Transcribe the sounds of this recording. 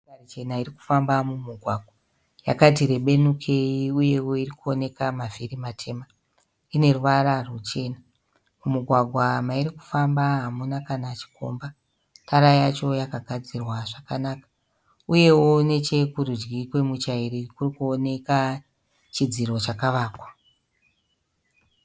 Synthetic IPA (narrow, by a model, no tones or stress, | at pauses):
arit͡ʃe̞naiɾiku̥fambamumuɡʱwaɡʱwa | ja̰kat̬iɾe̞ɓe̞nukʰe̞iuje̞wo̞irikuo̞ne̞kamavirimatʰe̞ma | ine̞ruʋararwut͡ʃe̞ːna | mumuɡʱwaɡʱwamaiɾiku̥fambaɦamunakanat͡ʃi̥ko̞̰mba | tʰaɾajat͡ʃo̞jakaɡʱad͡zirwaʐakanaːkḁ | uje̞wo̞ne̞t͡ʃe̞kuɾud͡ʒɡikwe̞mut͡ʃaiɾikurikuone̞ka | t͡ʃid͡ziro̞t͡ʃakaʋaːkwḁ